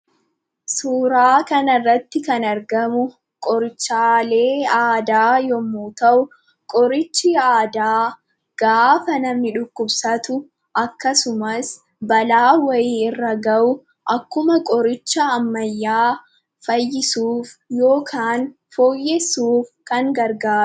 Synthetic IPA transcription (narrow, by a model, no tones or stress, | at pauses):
suːɾaːkɐnɐrːɐt̪ːɪkɐnɐɾɡɐmʊ | kʼɔɾɪt͡ʃːaːle̞ːaːd̪aːjɔmːuːt̪ɐʔʊ | kʼɔɾɪt͡ʃːɪaːd̪aː | ɡ̥aːfɐnɐmːɪᶑʊkːʊbsɐt̪ʊ | ʔɐkːɐsʊmɐs | bɐlaːwɐjiːɪrːɐɡɐʔʊ | ʔɐkːʊmɐkʼɔɾɪt͡ʃːɐːmːɐjːaː | fɐjːɪsuːfjo̞ːkʰaːn | foːjːɛsuːfkɐŋɡɐɾɡaː